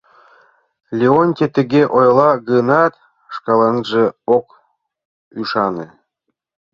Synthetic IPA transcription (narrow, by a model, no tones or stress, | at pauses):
lʲeonʲtʲet̪ɘ̆ɣʲeʔojlˠɑɣɤnɑt̪ | ʂkɑlɑnʒĕok | yʃɑne